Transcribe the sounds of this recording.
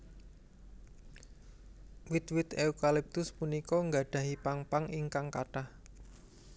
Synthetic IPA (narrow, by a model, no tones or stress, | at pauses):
wɪt̪̚wɪt̪eukalip̚t̪ʊspunikɔŋɡaɖ̥ä̤ɦipaŋpaŋiŋkaŋkaʈah